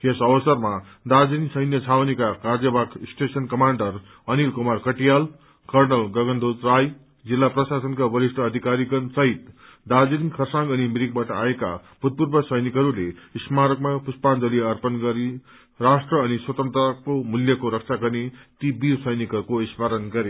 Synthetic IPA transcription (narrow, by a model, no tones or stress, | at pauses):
kesʌbʌsʌrma | d̪ad͡zinsʌjnjʌt͡sʰawnikakard͡zʌbaksʈesʌnkʌmaɳɖʌr | ʌnilkumarkʌʈijal | kʌrnʌlɡʌɡʌnd̪ʱot̪raj | d͡zilːaprʌsasʌnkabʌɾisʈʰʌːd̪ʱikaɾiɡʌnsʌɦit̪ | d̪ad͡zinkʰʌrsãŋɡʌnimiɾik̚baʈʌaeka̰b̥ʱut̪̚purbʌsʌjnikɦʌɾuleismaɾʌkmapuspand͡zʌliʌrpʌnɡʌɾi | rasʈrʌːniswʌt̪ʌnt̪rʌkomuljʌkoɾʌk̚t͡sʰaɡʌrnet̪ibisʌjnikɦʌɾukoismaɾʌnɡʌɾe